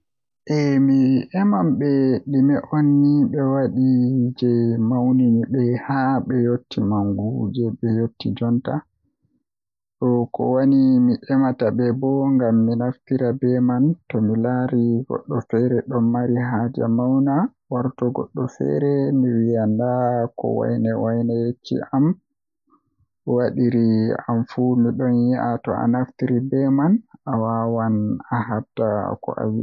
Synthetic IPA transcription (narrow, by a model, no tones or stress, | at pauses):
ʔɛmiʔɛmamɓɛɗimɛʔonːiɓɛwaɗid͡ʒɛmawniɲibɛhaɓɛjotːimaŋɡud͡ʒɛɓɛjotːid͡ʒɔnta | ɗɔkɔ̰wanimiʔɛmatabɛbɔŋɡamːinaftiɾabɛmantɔmilaɾiɡɔ̰ɗːɔfɛɾɛɗɔnːaɾiɦad͡ʒɛmawna | waɾtɔɡɔ̰ɗːɔfɛ̰ɾɛmiwijandakɔ̰wa̰jnɛwajnɛjet͡ʃːḭʔam | waɗiɾia̰mfumiɗɔnjiʔatɔ̰ʔa̰naftiɾibɛmanawawanahabtakɔ̰ʔa̰wi